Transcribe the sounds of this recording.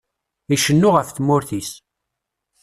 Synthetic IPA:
iʃənːʊʁəfθmʊɾθis

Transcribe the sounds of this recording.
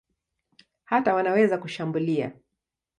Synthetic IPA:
hatawanawɛzakuʃambulia̰

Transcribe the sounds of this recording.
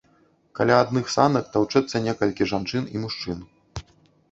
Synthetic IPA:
kalʲaːd̪nɨxsanɐkt̪awt͡ʂɛt̪sːɐnʲɛkɐlʲkʲiʐant͡ʂɨnḭmuʂt͡ʂɨn

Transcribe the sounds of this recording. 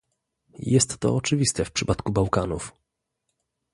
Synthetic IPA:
jɛst̪ːɔ̰ɔt͡ʂɘvʲist̪ɛfpʂɘpat̪kubawkanuf

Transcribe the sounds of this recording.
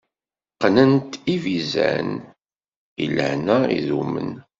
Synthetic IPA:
qːnənt̪ivizæ̰n | ḭlə̰næḭðumːə̰n

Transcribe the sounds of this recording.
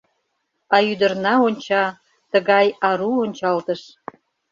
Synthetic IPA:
ɑyd̪ərnɑonʲt͡ɕɑ | t̪əɣɑjɑɾuonʲt͡ɕɑlt̪əʃ

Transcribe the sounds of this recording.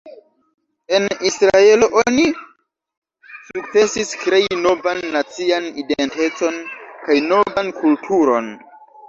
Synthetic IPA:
e̞nisɾae̞lo̞ʔoni | sukt͡se̞siskɾe̞jno̞vanːat͡sianidente̞t͡so̞nkajno̞vankultʰuɾo̞̰n

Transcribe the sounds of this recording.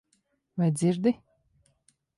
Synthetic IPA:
vajd̪zʲiɾd̪ɪ

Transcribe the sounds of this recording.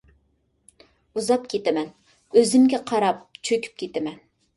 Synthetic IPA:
uzɑp̚kʲʰet̪ɛmɛn | øzɪmɡʲɛqʰɑɾɑp̚t͡ʃʰøkʲʰy̥p̚kʲʰet̪ɛmɛn

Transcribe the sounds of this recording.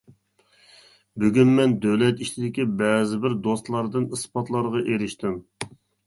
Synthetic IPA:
byɡʲynmɛnd̪øwlɛt̪it͡ʃʰɪd̪ɪkʲibɛzɪbɪɾd̪ost̪lˠɑɾd̪ɨnɨspʰɑt̪lˠɑɾʁɑʔeɾɪʃt̪ʰɪm

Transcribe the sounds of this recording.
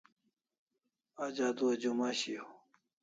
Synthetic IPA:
ad͡ʑad̪uɐd͡ʑumaɕio

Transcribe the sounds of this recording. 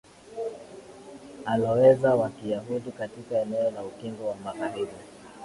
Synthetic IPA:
alɔwɛzawakijaɦuɗikatikaɛnɛɔlaukiŋɡɔwamaɣaɾiɾi

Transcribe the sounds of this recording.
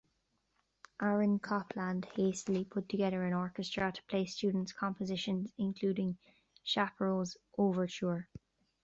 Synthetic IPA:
ʔaɹə̃nkʰɒpʰlãnd̥heɪstəlipʰʊtʰəɡɛðə˞ə̃nɔɹkəstɹ̥ətʰə̥pʰl̥eɪst͡ʃʉːdⁿn̩tskʰɑ̃mpəzɪʃə̃nzɪ̃nkʰl̥uːɾɪ̃ŋ | ʃapəɹoz | ʔoːvə˞t͡ʃʰuːɹ

